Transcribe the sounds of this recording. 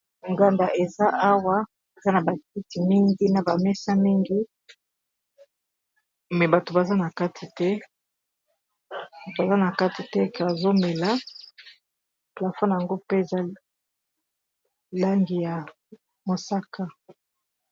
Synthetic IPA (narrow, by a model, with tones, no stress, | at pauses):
ŋɡa˨nda˨ʔe˨za˦ʔa˦wa˦ | e˨za˦na˨ba˨ki˦ti˨mi˦ŋɡi˦na˨ba˨mɛ˦sa˦mi˦ŋɡi˦ | mɛ˨ba˨to˨ba˨za˦na˨ka˦tʰi˨tɛ˦ | ba˨to˨a˨za˦na˨ka˦ti˨tɛ˦e˦ke˨a˨zo˦mɛ˨la˦ | pla˨fɔ˦na˨ja˨ŋɡo˦pe˦e˨za˦ | la˦ŋɡi˨ja˨ | mo˨sa˦kʰa˦